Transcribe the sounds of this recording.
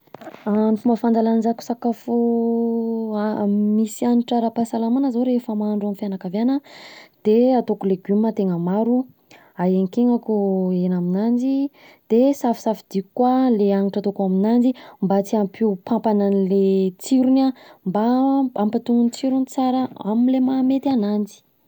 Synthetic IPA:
anfumafand̪alannzaku̥sakafo | misianiʈ͡ʂaɾapasalamanəzaɾefəmaɳɖ͡ʐamfjanakavjanəd̪̥eat̪okuleɡumːat̪eŋəmaɾu | ajeŋkeŋakuenaminand͡ʒi | d̪̥esafi̥safid̪̥ikkːwaleaŋiʈ͡ʂat̪okuaminand͡ʒimbat͡siampʰiupãmpananlet͡siɾunambaampat̪uŋunit͡siɾunit͡saɾəamilemamet̪ianand͡zi̥

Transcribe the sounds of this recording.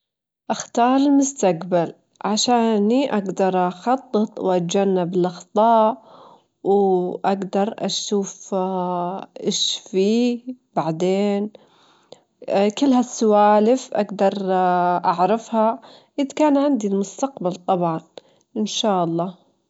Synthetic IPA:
ʔaxt̪ɑːɾˤɪlmʊst̪akbal | ʕaʃaːniʔaɡd̪ɑɾˤʔɑxɑt̪ˤːɨt̪ˤwʔat̪̚d͡ʒanːabɪlʔɑxt̪ˤɑːʔ | wʔaɡd̪ɑɾˤʔaʃuːf | ʔɪʃfiːb̥aʕd̪eːn | kɪlːhasːʊwaːlɪfʔa̰ɡd̪ɑɾˤʔaʕɾɑfha | ʔɪðkaːnʕɪnd̪ilmʊst̪aqbalt̪ˤɑbʕɑn | ʔɪnʃaːʔɑlˤːɑː

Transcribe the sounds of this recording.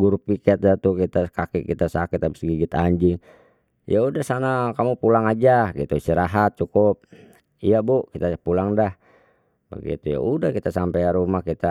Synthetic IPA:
ɡuɾupikɛt̪̚dat̪ukit̪akakikit̪asakɪt̪abisɡiɡit̪aɲd͡ʒiŋ | ḭjaudahsanakamupulaŋad͡ʒaɡit̪uisiɾaɦat̪̚t͡ʃukup̚ | ijabukit̪apulaŋdah | ba̰ɡḭt̪uja̰udahkit̪asampajaɾumahkit̪a

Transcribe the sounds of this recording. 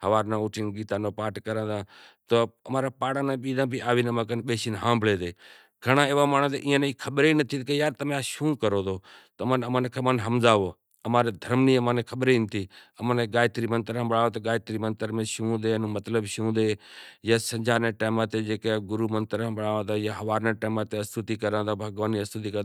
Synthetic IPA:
ɦəʋaːɾnãːʊʈʰiːnɡiːt̪ãːnoːpaːʈkəɾə̃ːd̪ãːt̪oːəmaːɾaːpaːɽãːnãːɓiːd̪ãːbʱiʔaːʋiːnəmaːkənɓeːʃiːnɦãːmbɭeːd̪eː | ɡʱəɳãːeːʋaːmaːɳt̪ḛʔĩːãːneiːkʰəɓɾeːnət̪ʰiːt̪kejaːɾt̪əmãːʃũːkəɾoːd̪oːt̪əmənəmənkʰeːmənɦəmzaːʋoː | əmaːɾeːd̪ʱəɾmniːəmãːneːkʰəɓɾeːiːnt̪ʰiːəməneɡaːjt̪ɾiːmənt̪əɾãːɓəɽaːʋoːt̪ːɡaːt̪ɾiːmənt̪əɾmẽːʃũːd̪eːnũːmət̪ləbʃũːd̪eːjaːsə̃ɲd͡ʒaːɾneːʈeːmãːt̪eːd͡ʒeːkeɡʊɾuːmənt̪əɾãɓəɽaːʋãːd̪aːjaːɦəʋaːɾneːʈeːmaːt̪eːəst̪ut̪iːkəɾãːd̪aːbʱəɡʋaːniːəst̪ut̪̬iːkə

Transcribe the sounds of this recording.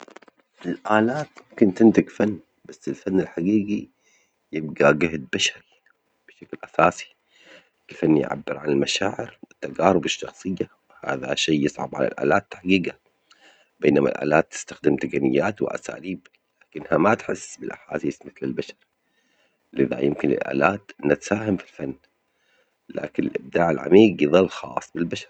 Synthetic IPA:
ɪlʔaːlaːt̪mʊmkɪnt̪ɪnt̪ɪɡfanː | basːɪlfanːalħaɡiːɡi | jɪbɡaɡɪhd̪̚baʃaɾi | b̥ɪʃaklʔasaːsi̥ | ʔalfanːjʕa̰bːɪɾʕanalmaʃaːʕɪɾwɪt̪ːaɡaːɾˤʊbaʃːɑxsˤɨjːawɪha̰ːða̰ʃaːɪsˤʕɑ̰bʕa̰la̰lʔa̰ːlaːt̪ːħaɡiːɡa | b̥eːnama̰lʔa̰ːlaːt̪ːɪ̥st̪axd̪ɪmt̪aɡanɪjːaːt̪wɪ̰ʔa̰sa̰ːliːb | laːkɪnhamat̪ħɪsːbɪlʔaħaːsiːsmɪθlɪlbaʃɑɾˤ | lɪða̰jɪmkɪnɪ̰lʔa̰ːlaːt̪ʔɪnːat̪saːhamfilfanː | la̰ːkɪnɪlʔɪb̚d̪aːʕalʕa̰miːɡjɪðˤɑlːxɑ̰ːsˤbɪlbaʃɑ̥ɾˤ

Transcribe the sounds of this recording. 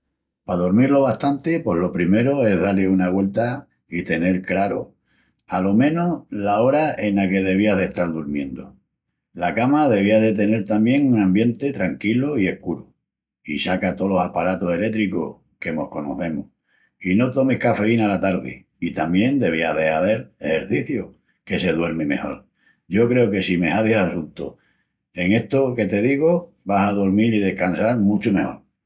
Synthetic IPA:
paðoɾmiɾlo̞βaht̪ant̪epwo̞ɦlo̞pɾime̞ɾoe̞ɦðaleunaɣwe̞lt̪a | it̪e̞ne̞ɾkɾaɾo̰ | alo̞mẽ̞nolao̞ɾae̞nake̞ð̞e̞β̞iaðe̞ht̪aɾðuɾmjẽ̞nd̪o̰ | lakamaðe̞βiaðe̞t̪e̞ne̞ɾt̪amje̞ŋunãmbje̞nt̪e̞t̪ɾaŋkiloie̞hkuɾu | isakat̪o̞lo̞sapaɾat̪ose̞le̞t̪ɾiko̰ | ke̞mo̞̰hko̞no̰θe̞mu | ino̞t̪o̞mihkafe̞inalat̪aɾðḛ | it̪amjẽ̞nd̪e̞β̞iaðe̞aðe̞ɾehe̞ɾθiθjo | ke̞se̞ðwe̞ɾmime̞̰ho̞̰ɾ | ɟ͡ʝo̞kɾe̞oke̞sime̞ɦaðjasunt̪o̰ | e̞ŋe̞ht̪oke̞t̪e̞ðiɣ̞o | βasaðoɾmiliðe̞hkansaɾmũt͡ʃome̞ho̞̰ɾ

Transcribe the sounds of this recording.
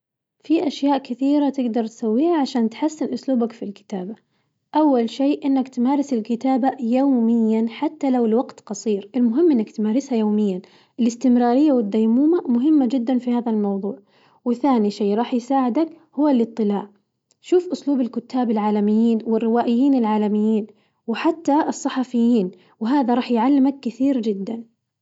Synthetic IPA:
fiʔaʃjaːʔkɪθiːɾat̪ɪɡd̪ɑɾˤt̪sawːiːhaʕaʃaːnt̪ħasːɪnʔʊsluːbakfilkɪ̥t̪aːba | ʔawːalʃeːʔɪnːakt̪maːɾˤɪsɪlkɪt̪aːbajawmɪjːanħat̪ːalawɪlwaɡt̪qɑsˤiːɾɪlmʊɦɪmːʔɪnːakt̪maːɾɪshajoːmɪjːan | ʔɪlɪst̪ɪmɾɑːɾɪjːawɪd̪ːajmuːmamʊɦɪmːad͡ʒɪd̪ːanfihaːðalmɑwðˤuːʕ | wɪθaːniʃeːɾˤɑːħjsaːʕɪd̪ak | hʊwːalʔɨt̪ˤːɨla̰ːʕ | ʃuːfʔʊsluːbɪlkʊt̪ːaːbɪlʕaːlamɪjːiːnwɪrːɪwaːʔɪjːiːnɪlʕaːlamɪjːiːn | wɪħat̪ːaʔɨsˤːɑħɑfɪjːiːn | wɪɦaːðaɾˤɑːħjʕalːɪmakːɪθiːɾd͡ʒɪd̪ːan

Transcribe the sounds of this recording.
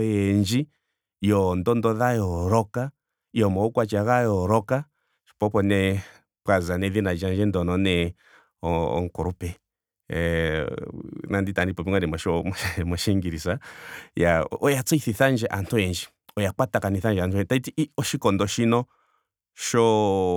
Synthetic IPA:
jɛnd͡ʒi | jɔndɔndɔðajɔɾɔka | iɔmɔɔkwat͡ʃaɣajɔɾɔka | ʃpɔpɔnɛ | pkazanɛðinad͡ʒand͡ʒɛndɔnɔnɛ | ɔɔ̰ŋkɔɾupɛ | nanditanipɔpiŋanɛmɔʃɔmɔʃmɔʃɛŋɡiɾisajaɔjat͡sɔiθiθand͡ʒɛʔantʰuɛnd͡ʒi | ɔjak͡patakaniθand͡ʒantuɛtaitiɔʃikɔndɔʃinɔ | ʃɔ

